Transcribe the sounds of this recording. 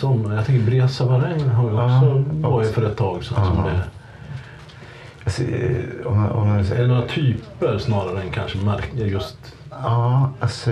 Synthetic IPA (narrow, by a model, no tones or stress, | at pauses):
sɔmːjɑt̪ʰɛŋkəɾbɾeːsavaɾɛŋnɦaɾjɔksɔvɑːɾɪt̪fœːɾɛt̪ʰːɑːɡsɛsɔmd̪ɛ | asɔɔmɔ̰mɛd̪ɛnoːɾat̪ʰyːpəɾsnɑːɾaɾəɛnkʰanʂəmaɾjɵst̪ | ɑːas